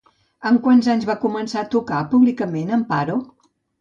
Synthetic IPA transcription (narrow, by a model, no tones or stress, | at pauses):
əŋkwanzaɲzβakumənsaət̪ukapuβlikəmenəmpaɾo